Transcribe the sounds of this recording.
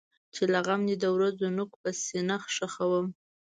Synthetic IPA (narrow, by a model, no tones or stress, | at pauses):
t͡ʃelaɣamnid̪əwɾazonʊk̚pəsenaxʂaxawəm